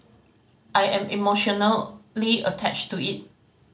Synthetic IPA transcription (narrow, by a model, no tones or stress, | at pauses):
ʔajɛ̃mimoʃɔnəlliətʰɛ̰t͡ʃtuit̚